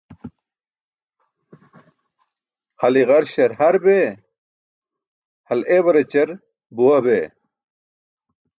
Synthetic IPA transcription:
hɐliʁɐɾɕɐɾhɐɾbe | hɐlewɐɾet͡ɕɐɾ | buwɐbe

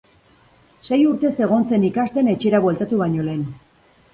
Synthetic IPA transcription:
se̞juɾt̪e̞se̞ɣ̞o̞nt͡se̞nikast̪e̞ne̞t͡ʃeɾaβwe̞lt̪at̪uβaɲo̞le̞ːn

